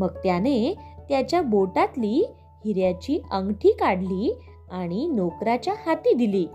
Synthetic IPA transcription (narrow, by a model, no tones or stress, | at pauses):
məɡ̚t̪janet̪jat͡ɕjaboʈat̪liː | hiɾjat͡ɕiːəŋɡʈʰiːkaɽliː | aɽ̃inokɾat͡ɕjahat̪iːd̪iliː